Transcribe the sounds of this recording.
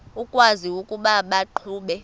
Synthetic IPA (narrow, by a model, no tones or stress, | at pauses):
ukʼwaziukʼuɓaɓaǃʰuːɓɛ